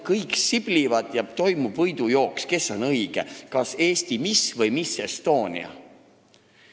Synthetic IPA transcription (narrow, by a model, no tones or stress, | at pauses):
kɤjksib̥livɑd̪jæb̥̚t̪o̞jmubvɤjd̪̥ujo̞ːkske̞sːo̞nɤjɡ̥ekɑse̞ːst̪imisvɤjmise̞st̪o̞ːnʲḭɑ̰